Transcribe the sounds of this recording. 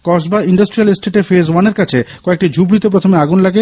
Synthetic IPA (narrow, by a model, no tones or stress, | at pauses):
kɔʃbaiɳɖɐsʈɾialesʈeʈefezwaneɾkat͡ɕʰekɔek̚ʈid͡ʑʱubɾit̪opɾot̪ʰomeaɡunlaɡe